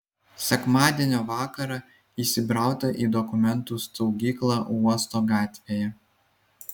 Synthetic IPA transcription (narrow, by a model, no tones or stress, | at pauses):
sʲɛkmɑːd̪ʲiɛnʲoːʋɑːkɐɾɑ | iːˑsʲɪbɾɑˑʊt̪ɐʔiːd̪ɔkʊmʲɛnt̪uːst̪ɔʊɡʲiːklˠɑːuɔst̪oːɡɑːt̪ʲʋʲejɛ